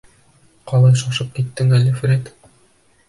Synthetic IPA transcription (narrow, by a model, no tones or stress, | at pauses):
qɒlˠɑjʃɑʃɤp̚kit̪ːɘŋælɘfɾet̪